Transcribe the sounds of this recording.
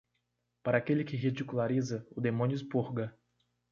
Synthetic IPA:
paɾɐaːkelɪkɪɦid͡ʒikulaɾizɐʊd̪emõnjʊɪspuhɡɐ

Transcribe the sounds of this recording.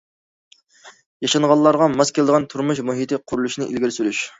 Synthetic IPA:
jɑʃɑɴʁɑlˠːɑɾʁɑmɑskʲʰɛlɪd̪əʁɑnt̪ʰuɾmuʃmuɦit̪ɪqʰʊɾulˠuʃnɨʔḭlɡʲiɾsyɾyʃ

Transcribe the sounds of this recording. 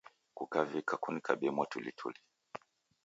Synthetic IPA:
kukavikakunikaɓɛmwatulitʰṵli

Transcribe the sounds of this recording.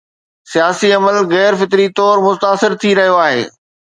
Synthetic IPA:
sijaːsiɐməlɣɛːɾfɪt̪ɾit̪ɔːɾmʊt̪aːsɪɾt̪ʰiɾɐɦijoaːɦḛː

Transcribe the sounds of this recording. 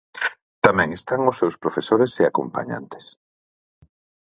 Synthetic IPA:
t̪amɛ̃ŋest̪aŋʊsːewspɾofesoɾeseako̰mpa̰ɲa̰nt̪e̥s

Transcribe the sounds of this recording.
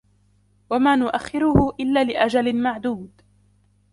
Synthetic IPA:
wamaːnʊʔaxːɪɾʊhʊʔɪlːaːlɪʔad͡ʒalɪmaʕd̪uːd̪

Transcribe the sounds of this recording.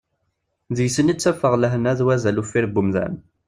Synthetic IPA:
ðjəsənit͡sːæfəʁləɦənæðwæzælufiɾbumðæ̰n

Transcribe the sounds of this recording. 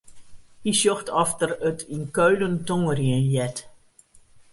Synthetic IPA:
hisjoxtʰɔftərətʰinkøɥləntoŋərjiənjɛt

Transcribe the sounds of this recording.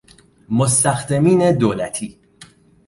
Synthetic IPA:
most̪æxt̪ɛmiːned̪oːlæt̪ʰiː

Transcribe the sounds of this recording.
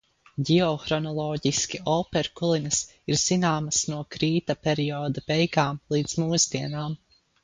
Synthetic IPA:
ɟiɔxɾɔnɔlˠɔːɟiskʲiɔːpɛɾkulˠinɐs | iɾz̥inaːmɐsnuɔkɾiːt̪apɛɾiɔːd̪ɐpɛjkaːmlˠiːd̪smuːzd̪iɛnaːm

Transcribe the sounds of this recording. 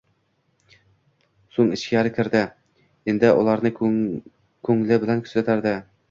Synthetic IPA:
soɴɪ̆ʃkʲæɾɘkʲʰɪ̆ɾd̪ɪ | ind̪ɪʔṵlˠɑɾnɤ | kʰɵŋlɘbɪ̆lænkʲʰɵ̥sæt̪æɾd̪ɪ

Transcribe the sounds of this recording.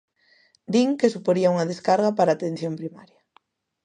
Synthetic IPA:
d̪iŋkesupoɾiauŋɐðeskaɾɣapaɾaːt̪en̟θjompɾimaɾjɐ

